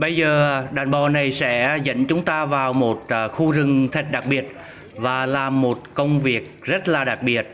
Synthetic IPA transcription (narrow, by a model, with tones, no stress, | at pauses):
ɓə˧jzəː˨˩ɗaː˨˩nɓɔ˨˩na˨˩jsɛ̰˧˥zə̰˧˥nt͡ɕʊ˨˦ŋ͡mt̪aː˧vaː˨˩wmo˨˩t̚ːxu˧zɨ˨˩ŋt̪ʰi˨˩k̟̚ɗa˨˩k̚ɓi˨˩ət̚ | vaː˨˩laː˨˩mːo˨˩t̚kə˧wŋ͡mvi˨˩ək̚zə˦˥t̚laː˨˩ɗa˨˩k̚ɓi˨˩ət̚